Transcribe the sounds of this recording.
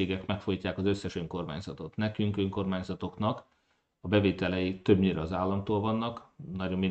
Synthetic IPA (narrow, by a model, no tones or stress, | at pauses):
eːɡɛkmɛkfojicːaːkɒzø̞sːɛʃøŋko̞rma̰ːɲz̥ɒt̪o̞t̪nɛkyŋkøŋko̞rmaːɲzɒt̪o̞knɒk | ɒbɛveːt̪ɛlɛjit̪øbɲiɾɛːzaːlːɒmt̪oːlvɒnːɒknɒɟo̞mːin